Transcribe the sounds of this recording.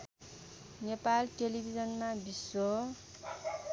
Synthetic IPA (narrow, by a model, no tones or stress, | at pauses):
nepalʈelibʱid͡zʌnmabiso